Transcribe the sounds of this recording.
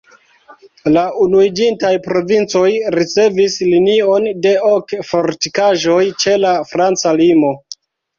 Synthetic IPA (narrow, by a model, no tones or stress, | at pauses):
launuid͡ʒintajpɾo̞vint͡so̞jɾit͡se̞vislinio̞nde̞okfo̞ɾtikaʒo̞jt͡ʃe̞lafɾant͡salimo̞